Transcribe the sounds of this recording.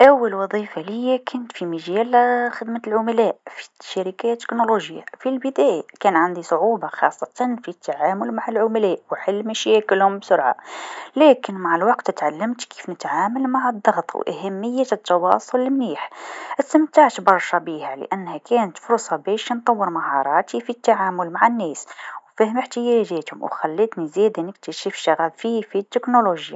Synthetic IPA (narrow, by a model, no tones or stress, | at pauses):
ʔæwːəlwɑðˤiːfaljːækʰʊnt̪fimæʒæːlxəd̪malʕʊmælæːʔfi̥ʃaɾɪkæjat̪ːɪ̥knoloʒja̰filbəd̪æːjakæːnʕand̪isˤʊʕuːbɑxɑ̰sˤːɑt̪ɑnfit̪ːaʕaːmʊlmaʕalʕʊmælæːʔwħəlːmæʃækəlhʊmbsʊɾʕa̰læːkɪnmaʕalwɑqt̪t̪ʕalːəmt̪ki̥fnət̪ʕaːməlmaʕəd̪ˤːɑɣt̪ˤw̰ʔæ̰hæmːəjːat̪ːɑwɑ̰ːsˤʊllɪmniːħʔəst̪ːɪmt̪aʕt̪bɑɾˤʃɑbiːhalə̰ʔænːhækʰæːnət̪fʊɾsˤɑbæːʃnt̪ˤɑwːəɾmahɑ̰ɾˤɑːt̪ifit̪ːaʕaːmʊlmaʕanːæːswfæhəməħt̪ɪjæʒæːt̪hʊ̰mwxælːət̪nizæd̪anɪk̚t̪əʃifʃaɣæːbfifit̪ːɪknoloʒja̰